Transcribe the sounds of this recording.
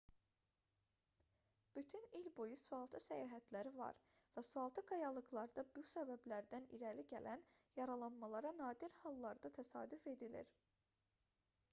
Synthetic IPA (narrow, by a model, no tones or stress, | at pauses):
b̥yt̪ʰynilbojusuɑlˠt̪ʰɯsæjɑːɦæt̪ʰlæɾivɑ̰ɾvæsuɑlˠt̪ʰɯɡɑjɑlˠɯɣlˠɑɾd̪ɑbusæbæblæɾd̪ænḭɾæliɟælʔænjɑɾɑlˠɑnmɑlˠɑɾɑnɑːd̪iɾhɑlˠːɑɾd̪ɑt̪ʰæsɑ̰ːd̪yfe̞d̪ilḭɾ